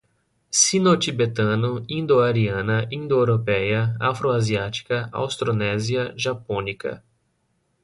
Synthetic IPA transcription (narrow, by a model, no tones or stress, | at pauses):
sĩnot͡ʃibet̪ɐ̃nʊĩnd̪oaɾiɐ̃nɐʔĩnd̪oeɾopɛjɐafɾoaziat͡ʃi̥kɐa̰wst̪ɾonɛziɐʒapõnikɐ̰